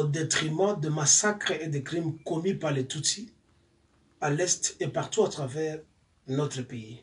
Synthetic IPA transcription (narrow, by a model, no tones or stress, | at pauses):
d̪et̪χimɑ̃d̪əmasakʁed̪ekʁimkɔmypaʁlet̪ut̪i | alɛst̪epaʁt̪uat̪χavɛʁ | nɔt̪χəpei